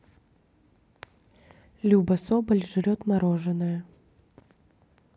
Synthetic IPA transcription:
lʲubɐsobəlʲʐɨɾʲot̪mɐɾoʐɨnːəjə

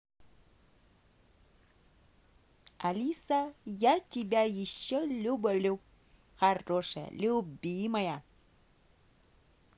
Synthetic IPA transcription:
ɐlʲisajatʲɪbʲajɪɕːɔlʲubɐlʲup | xɐroʂɨjə̰lʲubʲːimɐja

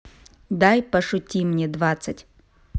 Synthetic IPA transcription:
d̪ajpɐʂʊtʲimnʲɛd̪vat̪sɨtʲ

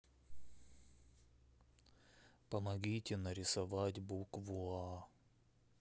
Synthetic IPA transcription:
pɐmɐɡʲitʲɪnɐɾʲɪsɐʋatʲbukvʊa

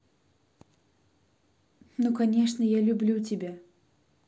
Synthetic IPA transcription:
nukanʲɛʂnəjalʲʊblʲut͡sʲɪbʲa

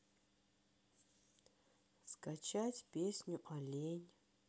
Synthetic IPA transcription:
skat͡ʃatʲpʲesʲnʲuʔalʲenʲ

